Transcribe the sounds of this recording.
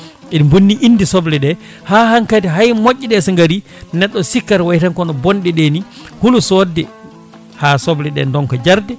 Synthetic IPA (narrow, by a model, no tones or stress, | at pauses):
ɛdmbunːiʔinːdisɔblɛɗɛ | hahaŋkadiɦajmoʔʲːiɗɛsaŋɡaɾi | nɛɗːɔsikːaɾwajtankɔnɔbɔnɗɛɗeni | hulusɔdːɛ | hasɔblɛɗɛ̰ndɔŋkɔd͡ʒaɾdɛ